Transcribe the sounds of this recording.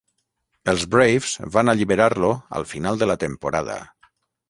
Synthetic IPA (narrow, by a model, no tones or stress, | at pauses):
əlˠzbɾejvz̥βanəʎiβəɾaɾloə̰lˠfinalˠd̪ələt̪əmpuɾaðə̰